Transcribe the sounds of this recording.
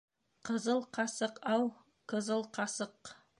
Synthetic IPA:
qʰəzəlˠqʰɑsəqɑw | qʰəzəlˠqʰɑsəq

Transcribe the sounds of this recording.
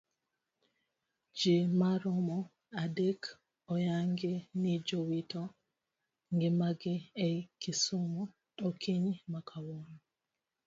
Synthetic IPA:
d͡ʒɪmaɾɔmɔ | adek | ɔjaŋɡɪnɪd͡ʒowitɔ | ŋɡɪmaɡɪekisumɔ | okʰiɲmakʰawɔnɔ

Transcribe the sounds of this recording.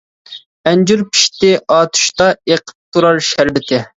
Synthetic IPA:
ɛnd͡ʒuɾpʰi̥ʃt̪ɪʔɑːt̪ʰu̥ʃt̪ɑeqʰə̥p̚t̪ʰːuɾɑɾʃæɾbɪt̪ʰɪ

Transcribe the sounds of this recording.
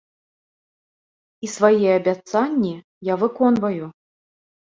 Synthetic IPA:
isvajɛɐbʲat̪sanʲːi | javɨkɔnvɐju

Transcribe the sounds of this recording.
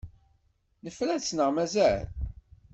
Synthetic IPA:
nəfɾæt͡sːnəʁmæzæl

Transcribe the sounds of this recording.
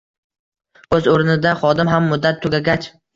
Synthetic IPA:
ɵzoɾnɪd̪aχɒd̪ɪmɦamːʊd̪ːat̪ʰːoɡʲaɡʲat͡ʃ

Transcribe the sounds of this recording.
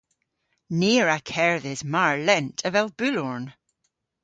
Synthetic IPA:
niəɹakʰɛɹðɪzmaɹlɛ̃ntʰəvɛlˠbʉlɔɹn

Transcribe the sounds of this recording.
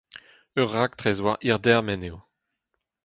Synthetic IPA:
œʁːak̚t̪ʁɛzwaʔiʁd̪ɛʁmɛnew

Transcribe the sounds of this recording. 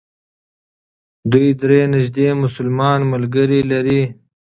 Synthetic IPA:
d̪ujd̪ɾeːnɪʒd̪emʊsʊlmɑːnməlɡəɾilaɾi

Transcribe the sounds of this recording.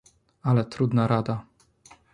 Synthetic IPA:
alɛt̪ɾud̪naɾad̪a

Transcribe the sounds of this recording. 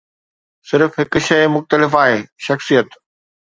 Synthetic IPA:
sɪɾfɦɪk̆ʃɐjmʊxt̪əlɪfaːɦeːʃɐxsijət̪

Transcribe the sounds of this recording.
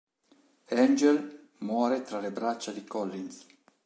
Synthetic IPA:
ɛnd͡ʒel | mwɔːɾet̪ɾalebɾat͡ʃːad̪ikɔlːins

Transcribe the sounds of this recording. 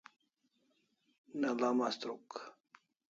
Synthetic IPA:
nalamast̪ɾuk

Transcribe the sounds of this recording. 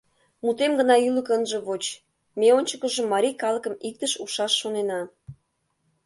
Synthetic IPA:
mut̪emɡənɑyləkənʒə̆βot͡ɕ | meonʲt͡ɕəkəʒə̆mːɑɾʲijkɑlə̆kə̆mik̚t̪əʃuʃɑʃːonenɑ

